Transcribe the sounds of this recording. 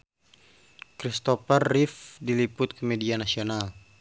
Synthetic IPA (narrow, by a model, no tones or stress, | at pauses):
kɾist̪ɔfɛrːifdilipʊt̪̚kəmɛdianasional